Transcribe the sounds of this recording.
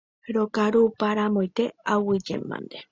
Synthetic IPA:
ɾokaɾupaɾamojt̪e̞awɨd͡ʒḛmbã̰nd̪e

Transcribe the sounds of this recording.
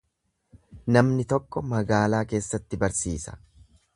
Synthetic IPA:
nɐmnɪt̪ɔkːɔmɐɡaːlaːke̞ːsːɐt̪ːɪbɐɾsiːsɐ̥

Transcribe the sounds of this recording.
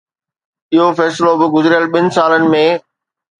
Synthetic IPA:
ɪɦofɛːslobɪɡʊzɪɾɪjəlɓɪnɪ̆saːlənɪ̆mẽː

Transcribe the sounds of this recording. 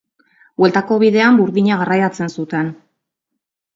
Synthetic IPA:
bwe̞lt̪ako̞βiðe̞ambuɾðiɲaɣarajat͡se̞nsut̪e̞n

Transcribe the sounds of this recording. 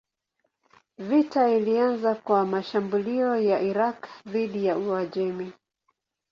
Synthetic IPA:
vitailianzakwamaʃambuliɔjaʔiɾakðiɗijauaʄɛmi

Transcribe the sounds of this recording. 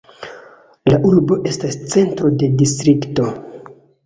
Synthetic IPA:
laʔuɾbo̞ʔe̞stast͡se̞ntɾo̞de̞distɾikto̞

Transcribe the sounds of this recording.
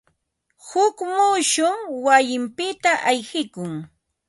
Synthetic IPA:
hʊkmʊʃʊŋwajɪmpɪt̪aʔajxɪkʊŋ

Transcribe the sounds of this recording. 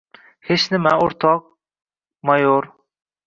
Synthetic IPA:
het͡ʃnɪmɛoɾt̪ʰɑq̚ | mɑjoɾ

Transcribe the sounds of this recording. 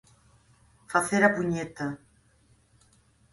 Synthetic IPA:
faθeɾapuɲet̪a

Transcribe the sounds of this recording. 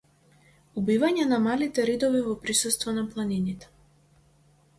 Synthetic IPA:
ubivaɲɛnamalit̪ɛɾid̪ɔvivɔpɾisust̪vɔnaplˠaninit̪ɛ̥

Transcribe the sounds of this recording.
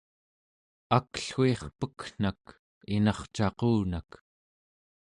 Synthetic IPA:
akɬxue̞χpəkn̥ak | inɑχt͡ʃɑquːnak

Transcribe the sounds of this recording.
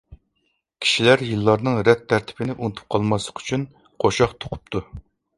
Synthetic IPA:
kʲʰi̥ʃilæɾjɨlˠːɑɾnɨŋɾɛt̪ʰːæɾt̪ʰɪ̥pɪnɪʔunt̪ʰu̥p̚qʰɑlˠmɑslˠəqʰy̥t͡ʃʰyn | qʰoʃɑχt̪ʰo̥qʰʊ̥p̚t̪ʰu

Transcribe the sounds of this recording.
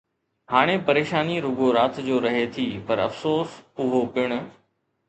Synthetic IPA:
haːɽ̃epɐɾeːʃaːniɾʊɡoɾaːt̪ʰd͡ʑoːɾɐɦet̪ʰipɐɾɐ̰fsoːsʊɦopɪɽ̃ʊ̆

